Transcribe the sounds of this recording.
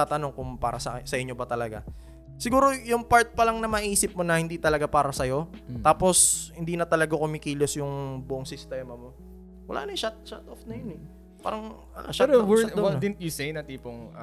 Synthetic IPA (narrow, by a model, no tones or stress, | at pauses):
at̪ɐno̞ŋkʊŋpa̰ːɾɐsɐsɐʔɪɲːobɐt̪ɐlɐɡa̰ | sɪɡuːɾo̞jʊŋpaɹt̪̚pɐlɐŋnɐmɐʔiːsɪp̚mo̞nɐhɪnd̪iːt̪ɐlɐɡapaːɾɐsɐjo̞t̪aːpo̞shɪnd̪iːnɐt̪ɐlɐɡakʊmɪkiːlosjʊŋbʊʔoŋsɪst̪ɛːmɐmo̞ | wɐ̰la̰ːnɐʃat̪̚ʃat̪ʔofnɐjonɛ | pa̰ːɾɐŋ | ɐʃaɾowɛdwɔtdɪt̪jusejnɐt̪iːpoŋ